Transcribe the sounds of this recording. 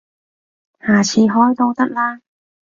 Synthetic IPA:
haː˨˩t͡sʰiː˧ɦɔː˥jt̪ɔ˧wt̪ɐ˥k̚laː˥

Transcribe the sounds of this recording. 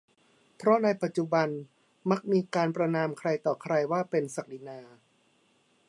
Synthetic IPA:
pʰɾɔ˦˥na˧jpa˨˩t̪̚t͡ɕu˨˩ba˧n | ma˦˥k̚miː˧kaː˧npɾa˧naː˧mkʰɾa˧jt̪ɔː˨˩kʰɾa˧jwaː˥˩pe˧nsa˨˩k̚li˧˩naː˧

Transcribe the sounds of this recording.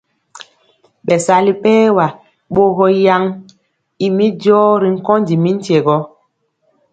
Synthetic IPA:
ɓɛ˨sa˨li˦pɛː˦wa˨ | ɓo˦ɣɔ˦ja˦ŋ | i˨mi˦dɔː˦ɾi˨ŋ̩˦kɔ˦ndi˨mi˦n̩˦tje˨ɡɔ˦

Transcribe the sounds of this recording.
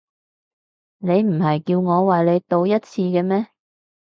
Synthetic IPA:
ne˨˧jm̩˨˩ɦɐ˨jkiː˧wŋɔː˨˧waː˨jle˨˧jt̪o˧wjɐ˥t̚t͡sʰiː˧kɛː˧mɛː˥

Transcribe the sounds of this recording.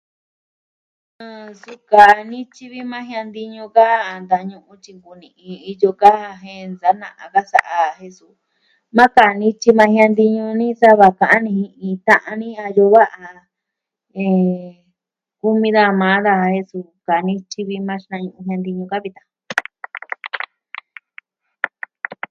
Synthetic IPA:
ã˧su˧ka˨˧nĩ˦t͡ʃi˦βi˦mã˦ɦĩ˧ã˧nd̪i˧ɲũ˧ka˦˨nd̪a˧ɲũ˧ʔũ˧t͡ʃi˧ŋɡu˨nĩ˨ʔĩ˧i˧jo˧ka˦˧ɦẽ˧nd͡za˨˦nã̰˧˨ʔa˨ka˦sa̰˨ʔa˧ɦe˧su˧ | mã˦ka˨˧nĩ˧t͡ʃi˧mã˧hj̃ã˧nd̪i˧ɲũ˧nĩ˦sa˦βa˧˨kã˧ʔã˦nĩ˧hĩ˧ʔĩ˧t̪ã˧ʔã˧nĩ˦a˧jo˧βa˦ʔa˧ | ẽ˧ | ku˧mĩ˧ða˧mã˨˦ða˧he˧su˧ka˨˧nĩ˦t͡ʃi˧βi˧mã˧ʃnã˧ɲũ˧ʔũ˧ɦĩ˧ã˧nd̪i˧ɲũ˧ka˦βi˧t̪ã˨˧

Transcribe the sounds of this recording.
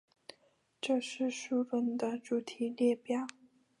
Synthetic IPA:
ʈ͡ʂɤ˥˧ʂɻ̩˥˧ʂu˥˧fə˥˩nd̪ə˨ʈ͡ʂu˨˩t̪ʰi˨˥˦ljɛ˥˩pjɑ˥˩ʊ

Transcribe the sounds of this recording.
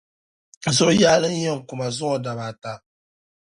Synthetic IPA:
zʊ˦jaː˦lɨ˦n˦jɛ˦˨ŋ˨ku˨ma˨zʊ˦ɔ˨da˨βa˨ta˦

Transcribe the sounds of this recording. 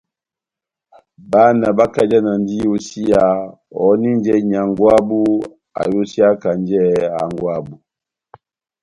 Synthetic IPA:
ba˦na˨ba˦ka˨d͡ʒa˦na˨n˦di˦jo˦si˦ja˨ | ɔ˨˦ni˦n˦d͡ʒɛ˦ɲa˨ŋɡwa˦bu˦ | a̰˨jo˦si˦a˦ka˨n˦d͡ʒɛ˦a̰˨ŋɡwa˦˨bu˨

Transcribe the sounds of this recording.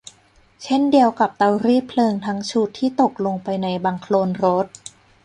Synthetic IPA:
t͡ɕʰe˥˩ndi˧əwka˨˩p̚t̪a˧wɾiː˥˩pʰlɤː˧ŋt̪ʰa˦˥ŋt͡ɕʰu˦˥t̪ʰːiː˥˩t̪o˨˩k̚lo˧ŋpa˧jna˧jbaː˧ŋkʰloː˧nɾo˦˥t̪̚

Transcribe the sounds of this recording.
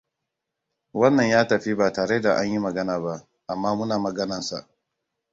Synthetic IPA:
wɐ˦nːɐ˨ɲjaː˦tɐ˨ɸi˦baː˨taː˨ɽeː˦da˨ʔa˦ɲji˦mɐ˨ɡɐ˦naː˨ba˦ʔ | ʔa˨mːaː˦mʊ˦naː˨mɐ˨ɡɐ˦nɐ˨nsa̰˨ʔ

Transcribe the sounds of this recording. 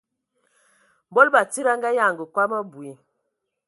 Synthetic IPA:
bɔ˦lba˨ti˦ɾa˦ŋɡa˦ja˦˨ŋɡə˨kwa˦mə˦bu˨i˨

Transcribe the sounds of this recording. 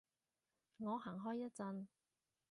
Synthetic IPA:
ŋɔː˨˧ɦaː˨˩ŋɦɔː˥jːɐ˥t̚t͡sɐ˧n

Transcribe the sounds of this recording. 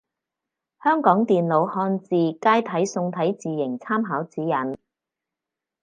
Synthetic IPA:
hœː˥ŋkɔː˨˥ŋt̪iː˨nlo˨˧whɔː˧nt͡siː˨˩kaː˥jt̪ʰɐ˨˥jsʊ˧ŋt̪ʰɐ˨˥jt͡siː˨jɪ˨˩ŋt͡sʰaː˥mɦaː˨˥wt͡siː˨˥jɐ˨˥n

